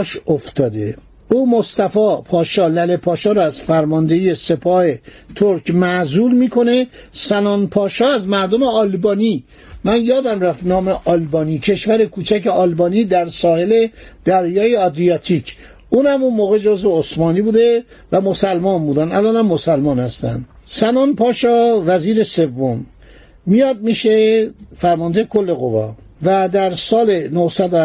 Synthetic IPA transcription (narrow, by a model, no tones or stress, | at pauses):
ʃoft̪ʰɒːd̪e | uːmost̪æfɒːpʰɒːʃɒːlælepʰɒːʃɒːɾɔæz̥fæɾmɒːnd̪eije̞se̞pʰɒːhe̞ | t̪ʰoɾkmæzuːlmiːkʰo̞ne̞sænɒːnpʰɒːʃɒːæzmæɾd̪omeɒlbɒːni | mænjɒːd̪æmræft̪nɒːmeʔɒlbɒːniːcʰe̞ʃvæɾe̞kʰuːt͡ʃʰæceɒlbɒːniːd̪æɾsɒːhe̞le̞d̪̥æɾjɒːjeɒd̪ɾijɒːt̪ʰicʰ | uːnhæmunmoːɣed͡ʒozveosmɒːniːbuːd̪e | væmosælmɒːnbuːd̪ænælɒːnæmːosælmɒːnhæst̪æ̰nd̪sænɒːnpʰɒːʃɒːvæziːɾese̞vːomː | ijɒːd̪̚miʃefæɾmɒːnd̪ejekʰolːe̞ɣo̰vɒ̰ː | væd̪æɾsɒːlenohsæd̪o